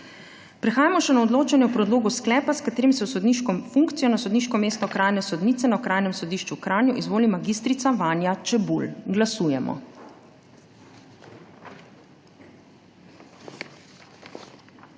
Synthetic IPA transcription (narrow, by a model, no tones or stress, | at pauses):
pɾɛxaːjamɔʃɛnaɔd̪loːt͡ʃanjɛwpɾɔd̪loːɡɔsklɛːpaskat̪eːɾimsɛwsɔd̪niʃkɔmfuŋkt̪sijɔnasɔd̪niːʃkɔmeːst̪ɔkɾaːjnɛsɔd̪niːt̪sɛnakɾʔaːjnɛmsɔd̪iʃt͡ʃukɾaːnjuʔizʋoːlimaɡiːst̪ɾit̪saʋaːnjat͡ʃɛbulɡlasuːjɛmɔ̰